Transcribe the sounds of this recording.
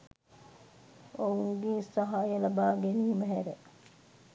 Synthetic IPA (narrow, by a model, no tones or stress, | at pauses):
ouŋɡesɐɦajelɐbaːɡeniɦiməɦɛɾe